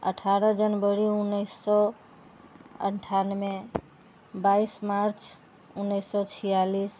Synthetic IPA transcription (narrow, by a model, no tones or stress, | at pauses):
ə̰ʈʰaɾəd͡ʒənbəɾiunːəjsːɔ | ə̰ɳʈʰanme | baismaɾt͡ʃʰ | unːəjsːɔt͡ʃʰijalis